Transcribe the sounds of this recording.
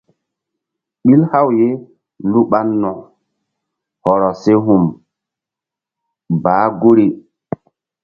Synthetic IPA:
ɓi˦lha˦wje˦ | lu˦ɓa˦nːɔ˨ | hɔ˨ɾɔ˨se˦ɦu˨m | baː˨˦ɡo˦ɾi˨

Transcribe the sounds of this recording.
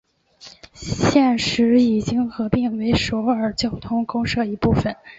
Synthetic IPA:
ɕjɛ˥˩nʂɻ̩˧˥i˨˩t͡ɕi˥ŋxɤ˧˥pi˥˩ŋwe˧˥ɪʂo˧˥ʊə˞˨˩t͡ɕjo˥˩ʊt̪ʰʊ˥ŋkʊ˥ŋʂɤ˥˧i˧˥pu˥˩fə˨˩n

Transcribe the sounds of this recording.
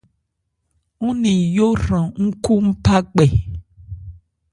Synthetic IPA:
ŋũ˦nĩ˨jo˦rã˨ŋ̩˦ku˦m̩˦pa˦ɡ͡bɛ˨

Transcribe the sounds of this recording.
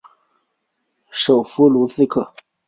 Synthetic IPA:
ʂo˨˩ʊfu˧˥lu˧˥˦sɹ̩˥˧kʰɤ˥˩

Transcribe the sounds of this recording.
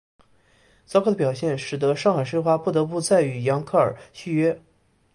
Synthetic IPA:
t͡sɑ˥kʰɤ˥˩ə˧pjɑ˨˩ʊɕjɛ˥˩nʂɻ̩˨˩d̪ɤ˧˦˥ʂɑ˥˩ŋxa˨˩ɪʂə˥˧xwa˥pu˥˩t̪ɤ˧˥pu˥˧t͡sa˥˩ɪy˨˩jɑ˧˥ŋkʰɤ˥˩ə̰˞˨˩ɕy˥˧ɥɛ˥

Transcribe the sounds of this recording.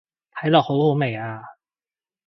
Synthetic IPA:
t̪ʰɐ˨˥jlɔː˨˩k̚ho˨˥who˨˥wme˨˩jaː˧

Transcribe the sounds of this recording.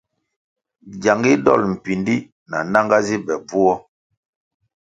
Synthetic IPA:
ɟa˨ŋɡi˦dɔ̰˦˨lm̩˨pi˨ndi˦ | na̰˨na˦ŋɡa˦zi˦bɛ˨b͡vu˦ɔ˦

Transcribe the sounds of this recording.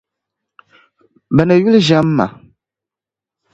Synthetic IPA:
bɛ˨nɨ˨ju˦lɨ˦ʒa˨˦mː˦a̰˨

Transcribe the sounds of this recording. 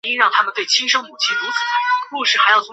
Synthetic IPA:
i˥ɻɑ˥˩ŋt̪ʰa˥mə˨nt̪wɪt͡ɕʰi˥nʂɤ˥ŋmu˨˩t͡ɕʰi˥˩tu˧˥t͡sʰɹ̩˨˩˦ku˥˧ʂɻ̩˥˩xa˧˥ɪjɑ˥˩ʊtʰʊ˥

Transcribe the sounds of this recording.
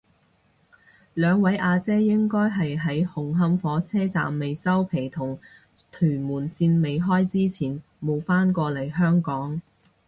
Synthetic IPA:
lœː˨˧ŋwɐ˨˥jʔaː˧t͡sɛː˥jɪ˥ŋkɔː˥jɦɐ˨jɦɐ˨˥jhʊ˨˩ŋɦɐ˥mfɔː˨˥t͡sʰɛː˥t͡sa̰ː˨mːe˨jsɐ˥wpʰe˨˩jt̪ʰʊ˨˩ŋ | t̪ʰyː˨˩muː˨˩nsiː˧nme˨jɦɔː˥jt͡siː˥t͡sʰiː˨˩n | mo˨˧wfaː˥nkɔː˧lɐ˨˩jɦœː˥ŋkɔː˨˥ŋ

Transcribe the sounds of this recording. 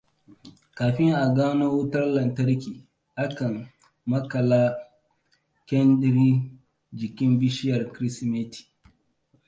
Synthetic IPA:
kaː˨ɸɪ˦ŋʔa˨ɡaː˦no˦wʊ˦tɐ˦rlɐ˨ntɐ˦ɾkʲiː˨ | ʔa˦kɐ˨ŋ | mɐ˦kɐ˨laː˦ | kʲɛ˦ndɾi˦ | d͡ʒɪ˨kʲɪ˦mbɪ˦ʃɪ˦jɐ˨rkɾi˦sme˦tʰi̥˨

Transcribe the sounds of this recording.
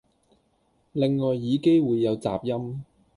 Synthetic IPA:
lɪ˨ŋːɔː˨jːiː˨˧ke˥jwuː˨˧jːɐ˨˧wt͡sa̰ː˨p̚jɐ˥m

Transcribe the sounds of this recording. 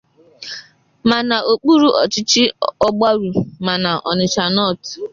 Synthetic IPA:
ma˨na˨ʔo˨k͡pu˦ɾu˦ʔɔ˨t͡ʃɪ˦t͡ʃɪ˦ɔ˦ɡ͡ba˦ɾu˨ma˨na˨ʔɔ̰˨nɪ˨t͡ʃa˨nɔ˦˨t

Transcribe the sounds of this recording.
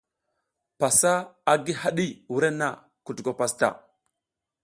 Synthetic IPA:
pa˨sa˦a˦ɡi˦ha˦ɗi˦wu˨ɾe˦na̰˨ | ku˨tu˨ko˨pa˨sta̰˨

